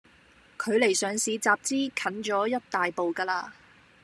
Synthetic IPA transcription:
kʰɵ˨˧ɥle˨˩jsœː˨˧ŋsiː˨˧t͡saː˨p̚t͡siː˥kʰɐ˨˥nt͡ʃɔː˨˥jɐ˥t̚t̪aː˨jpo˨wkaː˧laː˧

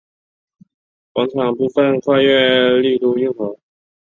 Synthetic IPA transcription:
kwɑ˧˥ŋʈ͡ʂʰɑ˨˩ŋpu˥˧fə˥˧nkʰwa˥˧ɥɛ˥˧li˥˧t̪u˥˧i˥˧ŋxɤ˧˥

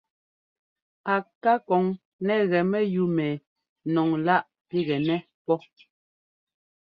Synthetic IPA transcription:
a˨ka˦kɔ˨˦ŋ | nɛ˦ɣɛ˨mɛ˦ju˦mɛ˨ | nɔ˨ŋla˦ʔ | pi˦ɣɛ˨nɛ˦ | pɔ˦

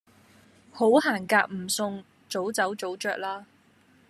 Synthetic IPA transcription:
ho˨˥whaː˨˩nkaː˧k̚m̩˨˩sʊ˨˧ŋ | t͡so˨˥wt͡sɐ˨˥wt͡so˨˥wt͡ʃœː˧k̚laː˥

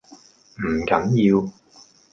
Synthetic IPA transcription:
m̩˨˩kɐ˨˥njiː˧w

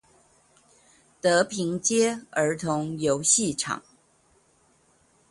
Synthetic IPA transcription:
t̪ɤ˧˥pʰi˧˥ŋt͡ɕjɛ˥ə˞˧˥t̪ʰʊ˧˥ŋjo˧˥ʊɕi˥˩ʈ͡ʂʰɑ̰˨˩˦ŋ

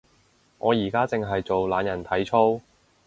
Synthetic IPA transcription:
ŋɔː˨˧jiː˨˩kaː˥t͡sɪ˨˧ŋɦɐ˨jt͡so˨wlaː˨˧njɐ˨˩nt̪ʰɐ˨˥jt͡ʃʰo˥w

